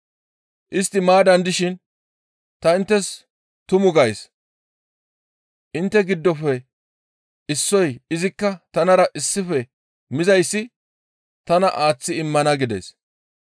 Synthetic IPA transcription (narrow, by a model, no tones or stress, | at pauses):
ʔɪst̪ːɪmaːd̪ɐnd̪ɪʃɪn | t̪ɐɪnt̪ːɛs | t̪ʊmʊɡɐjs | ʔɪnt̪ːɛɡɪd̪ːɔfɛ | ɪsːɔjɪzɪkːɐt̪ɐnɐɾɐʔɪsːɪfɛ | mɪzɐjsːɪ | t̪ɐnɐ̰ʔaːt͡sːɪɪmːɐnɐɡɪd̪ḛs